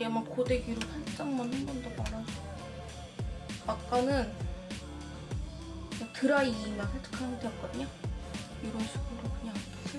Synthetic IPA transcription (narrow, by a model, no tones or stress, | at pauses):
amakode̞ɡiɾoɸaɭt͡ɕ͈ʌŋmanhembʌndak͈ana | ak͈anɯn | atɯɾaiimansʰetʰɯ̥kʰanɯtwek͈ʌdɲa | iɾʌnɕʰiɡɯɭdokɯɲaŋ